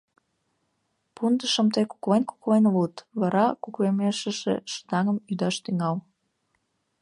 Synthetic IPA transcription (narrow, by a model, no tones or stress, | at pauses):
pund̪əʃəmt̪eku̥klenku̥klenlut̪βɑɾɑkuklemeʃə̆ʒḛʃə̥t̪ɑŋəmyd̪ɑʃt̪yŋɑl